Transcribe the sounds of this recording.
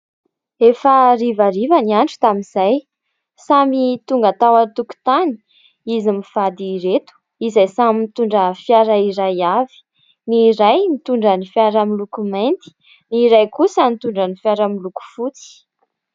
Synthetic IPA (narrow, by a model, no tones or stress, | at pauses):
efarivaɾivaniaɳʈ͡ʂu̥t̪aminzaj | samit̪uŋɡat̪awat̪uku̥t̪ani̥ | izimifad̪iɾet̪u̥ | izajsamimit̪uɳɖ͡ʐəfjaɾaiɾajavi̥ | niɾajnit̪uɳɖ͡ʐənifjaɾamilukument̪i̥ | niɾajkusənit̪uɳɖ͡ʐənifjaɾamiluku̥fut͡si̥